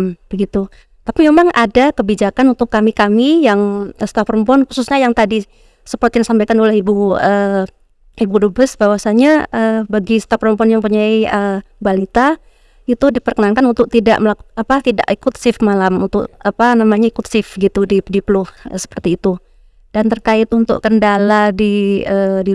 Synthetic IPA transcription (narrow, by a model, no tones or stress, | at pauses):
mb̥əɡit̪u | t̪apimemaŋʔadakəbid͡ʒakanunt̪ʊkːamikamijaŋəsə̥t̪apɾəmpɔnxususɲajaŋt̪adi | səpɔrt̪jansampajkanolɛhibuə | ibudobəsbawasaɲaəbaɡist̪apɾɔmpɔnjaŋpurɲaiə | balit̪a | it̪udipərkənankanunt̪ʊk̚t̪ida̰ʔməlakt̪apat̪ida̰ʔikʊt̪̚sɪfmalamunt̪ʊ̰ʔapanamaɲaikʊt̪sɪfɡit̪udidipəlʊhsə̥pərt̪iːt̪u | d̥ant̪ərkaɪt̪unt̪ʊ̰ʔkəndaladiədi